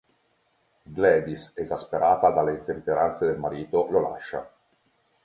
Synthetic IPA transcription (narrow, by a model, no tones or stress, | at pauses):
d̪lɛd̪isezaspeɾaːt̪ad̪alːet̪empeɾant̪sed̪elmaɾiːt̪olola̰ʃːa̰